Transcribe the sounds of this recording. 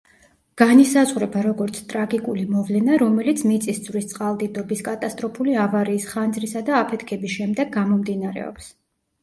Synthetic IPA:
ɡ̥anisazʁuɾɛbaɾɔɡɔɾt̪sʰt̪ʼɾaɡikʼulimɔvlɛnaɾɔmɛlit̪sʰmit̪sʼisd̪zʼvɾist̪sʼqʼalˠd̪id̪ɔbiskʼat̪ʼast̪ʼɾɔpʰuliavaɾiːsχand̪zɾisad̪aːpʰɛt̪ʰkʰɛbisʃɛmd̪ɛɡɡamɔmd̪inaɾɛ̰ɔ̰ps

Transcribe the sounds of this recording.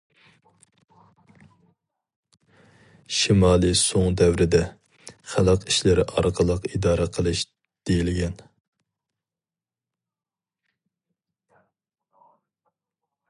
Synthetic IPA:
ʃimɑːlˠɨsoŋd̪ɛwɾɪd̪ɛ | χælˠɑqʰiʃlɪɾɪ̰ʔɑɾqʰəlˠəqid̪ɑːɾɛqʰəlˠɨʃ | d̪̥ejilɪɡʲɛn

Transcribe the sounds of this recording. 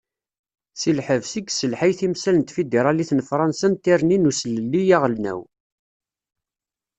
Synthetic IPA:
silħəvsiɡsəlħajθimsælənt̪fid̪iɾˤɑliθnfɾˤɑnsænt̪iɾninusləlːijæʁəlnæ̰w

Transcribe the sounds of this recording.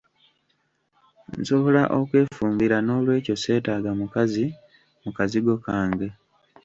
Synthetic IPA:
n̩so̞βo̞laʔo̞kwe̞ːfuːmbiɾano̞ːlwe̞ːco̞se̞ːtaːɡamukazi | mukaziɡo̞kaːŋɡe̞

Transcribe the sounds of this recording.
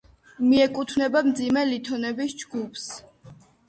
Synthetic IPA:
miɛkʼut̪ʰvnɛbamd̪zimɛlit̪ʰɔnɛbisd͡ʒɡupʰs

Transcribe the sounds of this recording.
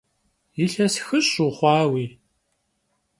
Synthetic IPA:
jɪɬɐsxɨɕuχʷɑːwiː

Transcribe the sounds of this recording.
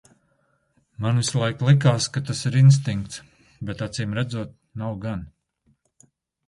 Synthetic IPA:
manvislˠajklˠik̬aːskat̪asiɾins̬t̪iŋkt̪s | bɛt̪at̪siːmɾæd̪zuɔt̪̚nawɡan

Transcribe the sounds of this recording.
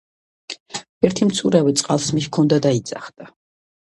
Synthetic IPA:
ɛɾt̪ʰimt̪sʰuɾavit̪sʼqʼalˠsmiʃkʰɔnd̪ad̪aid̪z̥ʼaχd̪̥a

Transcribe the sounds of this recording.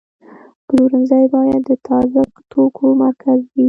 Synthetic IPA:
bəluɾənzajbɑjad̪ːət̪ʰɑzəkt̪ʰokʰomaɾkʰazwi

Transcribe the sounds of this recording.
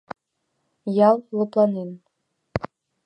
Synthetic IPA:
jɑlˠlɤ̆plˠɑnen

